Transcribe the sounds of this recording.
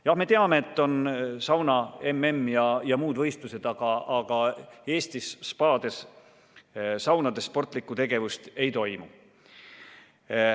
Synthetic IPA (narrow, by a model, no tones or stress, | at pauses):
jɑhme̞t̪e̞ɑme̞ːt̪ːo̞nsɑwnɑe̞mːe̞mːjɑjɑmuːd̪vɤ̞jst̪luse̞d̪̥ɑɡ̥ɑːɡ̥ɑe̞ːst̪isːpɑːd̪̥e̞s | sɑwnɑd̪̥e̞sːpo̞rt̪ˑlikːˑut̪e̞ɡ̥e̞vust̪e̞jt̪o̞jmṵ